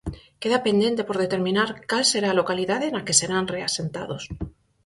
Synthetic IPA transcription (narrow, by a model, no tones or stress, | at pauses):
ke̞ðapenje̞nt̪e̞po̞ɾð̞et̪e̞ɾmĩnaɾkalse̞ɾalo̞kaliðaðe̞nake̞se̞ɾanre̞ase̞nt̪a̰ðo̞s